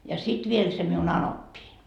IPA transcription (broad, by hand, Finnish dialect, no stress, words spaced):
jɑ sit ʋiel se miun ɑnopːiːn